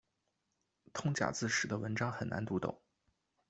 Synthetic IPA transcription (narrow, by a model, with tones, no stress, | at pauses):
t̪ʰʊ˥ŋt͡ɕja̰˨˩t͡sɹ̩˥˩ʂɻ̩˨˩d̪ə˦˧wə˧˥nʈ͡ʂɑ˥ŋxə˨˩na̰˧˥nt̪u˧˥t̪ʊ̰˨˩˦ŋ